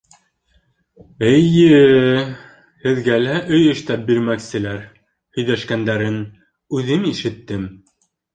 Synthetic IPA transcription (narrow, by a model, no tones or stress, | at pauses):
ɘjjɘ | hɘ̆ðɡælæʔɵjɘ̆ʃt̪æp̚biɾmæksɘ̆læɾ | hɵ̆jðæʃkænd̪æɾɘn | ʉðɘmiʃɘ̆t̪ːɘm